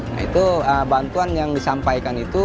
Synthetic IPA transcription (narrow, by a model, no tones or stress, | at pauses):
na̰ḭt̪uəbant̪uanjaŋdisampajkanit̪u